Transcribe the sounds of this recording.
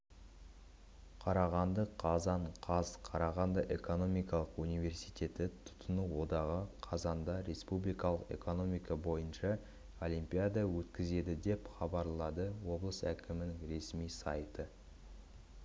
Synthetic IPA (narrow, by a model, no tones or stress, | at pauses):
qʰɑɾɑʁɑnd̪əqʰɑzɑɴqʰɑzqʰɑɾɑʁɑnd̪əʔe̞ko̞no̞mijkɑlˠəqunijve̞rsijt̪ʲʰe̞t̪ɪt̪ʰʊ̥t̪ənuwo̞d̪ɑʁəqʰɑzɑnd̪ɑɾe̞spublijkɑlˠəqe̞̰ko̞no̞mijkɑbo̞jənʃɑ | o̞lʲijmpʲijad̪ɑwɵt̪kʲɪze̞d̪ɪd̪e̞pχɑbɑɾlˠɑd̪əwo̞blˠəsækʲɪmɪnɪŋɾe̞smijsɑjt̪ə